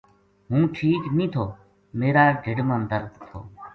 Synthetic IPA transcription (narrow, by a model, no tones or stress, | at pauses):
ɦũːʈʰiːknĩːt̪ʰoː | meːɾaːɖʱɪɖmənd̪əɾd̪t̪ʰo̰ː